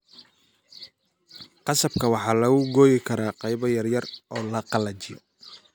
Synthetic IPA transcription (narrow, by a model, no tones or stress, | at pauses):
qɑsɐb̚kʰɐwɑħɑːlɐɣʊɡɔːjɪkʰɐɾaːqɑjβɐjɐrjɐrɔːlɐqɑlɐt͡ʃɪjɔ̰